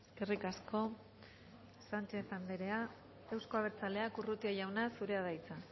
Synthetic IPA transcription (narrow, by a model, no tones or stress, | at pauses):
eskerikasko̞ | sant͡ʃe̞θand̪eɾe̞a | ewsko̞aβ̞e̞ɾt͡sale̞akurut̪iaʝawnasuɾe̞að̞ajt͡sa